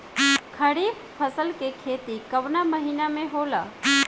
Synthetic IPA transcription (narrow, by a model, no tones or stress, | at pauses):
kʰəɽiːb | pʰəsəlkekʰeːt̪ikəʋnaməɦiːnamẽɦoːla